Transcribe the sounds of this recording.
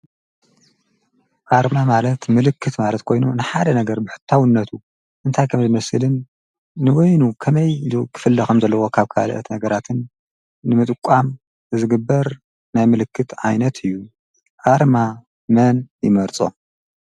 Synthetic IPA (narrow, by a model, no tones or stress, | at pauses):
ʔʼaɾmamalɐt̪mɨlɨkʰːɨt̪malɐt̪kʰo̞jnunɨħad̪ɐnɐɡɐɾbɨħɨ̥t̪ʰːawɨnːɐt̪ʰu | ʔɨnt̪ʰajkʰɐmzɨmɐsɨlɨnː | ɨwojnukʰɐmɐjkʰɨ̥fɨlːɐxɐmzɐlːɐwo̞kʰaβkʰa̰lʔɐ̰t̪nɐɡɐɾat̪ʰɨnː | ɨmɨt̪ʼɨkʼːam | ɨzɨɡɨbːɐɾ | najmɨlɨkːɨt̪ʕajnɐt̪ʰɨjːu | ʔʼaɾma | mɐnjɪmɐɾt͡sʼo̞̰